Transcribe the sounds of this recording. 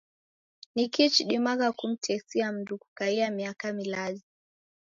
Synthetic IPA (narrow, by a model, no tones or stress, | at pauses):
nikit͡ʃɗimaɣakum̩tʰɛsiam̩duku̥kaiamiakamilaɗi